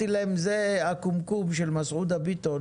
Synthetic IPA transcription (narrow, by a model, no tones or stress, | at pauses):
ilaemzeakumkumʃelmasʔud̪abit̪o